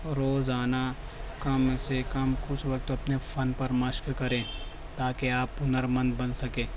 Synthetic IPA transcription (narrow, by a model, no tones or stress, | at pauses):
ɾoːzaːna | kɐmsekɐmkʊt͡ʃʰʋɐk̚t̪ɐpnepʰɐnpɐɾmɐʃkkɐɾẽː | t̪aːkeaːpːʊnəɾmɐ̃nd̪bɐ̃nsɐkẽː